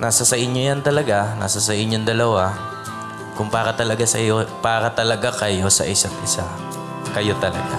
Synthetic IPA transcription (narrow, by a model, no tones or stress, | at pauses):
naːsɐsɐʔɪɲːojant̪ɐlɐɡanʔa̰ːsas̬ɐʔɪɲːond̪ɐlɐwa | kʊŋbaːɾɐt̪ɐlɐɡasɐ̰jopaːɾɐt̪ɐlɐɡakɐjo̞sɐ̰ʔɪsat̪ʔɪsa | kɐjo̞t̪ɐlɐ̰ɡa